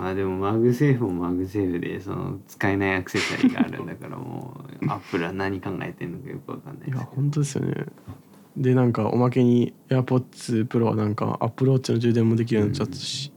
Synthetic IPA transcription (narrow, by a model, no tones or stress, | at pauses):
maːd̪e̞mo̞maɡɯ̟s̬e̞ːɸɯmomaɡɯ̟s̬e̞ːɸɯ̟d̪e̞̰so̞̰no̰t͡sɨ̥kaenaiakɯ̟̥se̞saɾʲiɡa̰ːɾɯ̟̃nd̪akaɾa̰mo̰ːapːɯ̟ɾɯ̟βanaɲ̟ikãŋɡa̰et̪eɾɯnokajokɯ̟βaka̰nːa̰ijahõ̞nt̪̬o̞d̪e̞sɨjo̰nḛ | d̪e̞nãŋkaʔo̞̰mak̬e̞ɲ̟ieaːpo̞t̪ːsɨpɯ̟ɾo̞βa̰nãŋka̰a̰pːɯ̟ɾo̞ːɨnod͡ʑɨːd̪ẽmːo̞d̪e̞k̬ʲiɾɯnat͡ɕat͡sːɨ̥ɕi̥